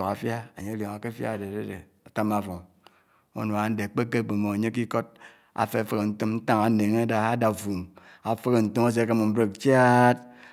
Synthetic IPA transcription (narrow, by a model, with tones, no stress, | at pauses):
o˨ka˨fja˦a˨ɲe˦a˦ljo˨ŋa˨ke˦fja̰˦˨de˨de˦dḛ˨ | a˨ta˦ma˦fo˨ | o̰˦no˨a˨˦n̩˦de˨k͡pe˦kːe˦˨k͡pe˨mo˨a˨ɲe˦k̬i˦ko˦d̚ | a̰˨fe˦˨fɨ˦˨ke˨n̩˦tɨ˦mn̩˦ta˦ŋa˨˦ne˨ŋe˦da˨a˦da˨fu˨m | a˨fe˦ke˨n̩˨tu˦ma˦s̬e˦ke˦mo˨m̩˦bɾe˦k̚t͡ʃja˦t̚